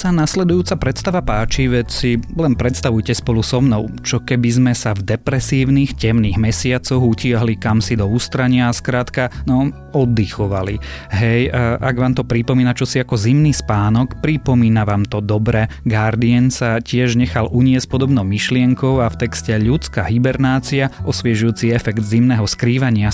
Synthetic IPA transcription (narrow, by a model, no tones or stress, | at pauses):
sanaslɛd̪ujuːtt͡sapɾɛt̪st̪aʋapaːt͡ʃiʋɛcsilɛnpɾɛt̪st̪aʋujcɛspɔlusɔmnɔʊt͡ʃɔkɛbizmɛsavd̪ɛpɾɛsiːʊniːxcɛmniːɣmɛsɪat͡sɔɣucɪaɦlikamsid̪ɔust̪ɾaɲɪaːskɾaːt̪kanɔ | ɔd̪ːixɔʋaliɦɛjʔaɡʋaːmt̪ɔpɾipɔmiːnat͡ʃɔsiakɔzimniːspaːnɔkpɾipɔmiːnaʋaːmt̪ɔd̪ɔbɾɛɡaɾd̪iɛnsacɪɛʒɲɛxalʔuɲɪɛsc̚pɔd̪ɔbnɔʊmiʃlɪɛŋkɔʊaft̪ɛkscɛʎut͡ska̰ɦibɛɾnaːt͡siaʔɔsʋɪɛʒujuːt͡siɛfɛɡd̪zimnɛɦɔskɾiːʋaɲɪa